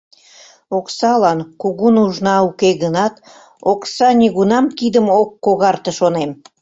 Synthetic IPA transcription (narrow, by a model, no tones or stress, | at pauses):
oksɑlɑnkuɣunuʒnɑukeɣənɑt̪ | oksɑnʲiɣunɑmkid̪əmokːoɣɑrt̪əʃonem